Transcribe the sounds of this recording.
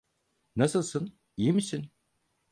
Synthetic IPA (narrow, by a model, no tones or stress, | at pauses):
nasɯlˠsɯn | ijimisin